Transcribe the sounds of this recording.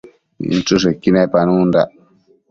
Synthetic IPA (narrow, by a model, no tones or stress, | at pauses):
ḭn̩t͡ʃus̬ekinajpanunda